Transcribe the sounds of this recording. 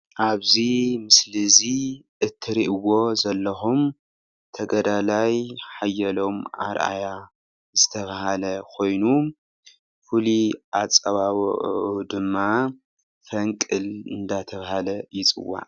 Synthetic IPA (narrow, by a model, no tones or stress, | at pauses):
ʔaβzimɨslɨziʔɨt̪ʰːɨɾiʔɨwo̞zɐlːɐxum | t̪ʰɐɡɐd̪alajħajːɐlo̞mʔa̰ɾʔa̰ja | zɨt̪ʰɐβahalɐkʰo̞jnu | fɨliʔat͡sʼɐβawʔʕud̪ɨmːa | fɐŋkʼɨlɨnd̪at̪ʰɐβahalɐjɪt͡sʼɨ̰wa̰ʔ